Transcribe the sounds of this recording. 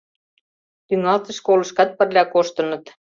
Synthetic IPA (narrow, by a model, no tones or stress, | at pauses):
t̪yŋɑlt̪ə̆ʃkolə̆ʃkɑt̪̚pə̆rlʲɑkoʃt̪ə̆nɤ̆t̪